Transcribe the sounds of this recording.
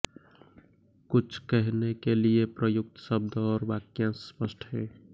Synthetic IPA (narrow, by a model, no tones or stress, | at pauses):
kut͡ʃʰkəɦnekeliepɾəjuk̚t̪səb̚d̪ɔɾbakjãspəsʈʰɦɛ̃